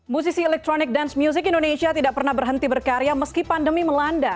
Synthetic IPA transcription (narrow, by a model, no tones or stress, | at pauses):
mus̬isiɛlɛk̚t̪ɾonɪk̚dansmjus̬ɪkindonesiat̪idaʔk̚pərnahbərɦənt̪ibərkaɾiaməskipandəmiməlanda